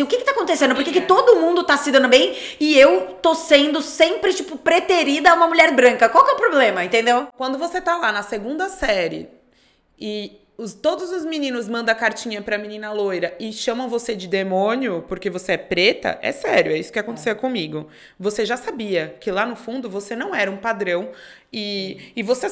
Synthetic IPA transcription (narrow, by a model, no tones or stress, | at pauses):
ʊkɪkɪt̪akõnt̪esẽd̪ʊpoɾkekɪt̪od̪ʊmũnd̪ʊt̪asɪd̪ɐ̃nd̪ʊbẽj̃ | ɪewt̪osẽnd̪ʊsẽmpɾɪt͡ʃipʊpɾet̪eɾid̪ɐũmɐmuʎɛɾbɾɐ̃ŋkɐkwawkɛʊpɾoblẽmɐẽnt̪ẽnd̪ewkwɐ̃nd̪ʊvoset̪alanɐseɡũnd̪ɐsɛɾɪ̰ | ɪ | ʊt̪od̪ʊzʊzminĩnʊzmɐ̃nd̪ɐ̃kaɾt͡ʃĩɲɐpɾɐminĩnɐlojɾɐɪʃɐ̃mɐ̃w̃vosed͡ʒɪd̪emõnjʊpoɾkevoseɛpɾet̪ɐ̰ʔɛ̰sɛɾjʊɛisʊ̥kɪakõt̪e̥sewkõmiɡʊ | voseʒasabiɐkɪlanʊfũnd̪ʊvosenɐ̃w̃ɛɾɐũpad̪ɾɐ̃w̃ | ɪːvose